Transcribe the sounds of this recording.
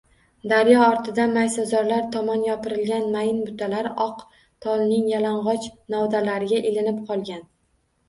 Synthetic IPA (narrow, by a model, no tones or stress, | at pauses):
d̪aɾjɒɒɾt̪ʰɪd̪anmajsazɒɾlaɾt̪ʰɒmɒnjɒpʰɪɾɪlɡʲanmajɪnbʊt̪ʰalaɾɒq | t̪ʰɒlˠnɪŋjalaɴʁɒt͡ʃnɒwd̪alaɾɪɡʲaʔelɪnɪpqʰɒlˠɡʲan